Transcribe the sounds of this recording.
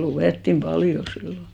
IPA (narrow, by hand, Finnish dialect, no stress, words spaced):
luʋeˑtːim pɑljo silːo